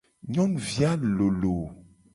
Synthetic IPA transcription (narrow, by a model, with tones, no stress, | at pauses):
ɲɔ̃˦nvja˦lo˨lo˨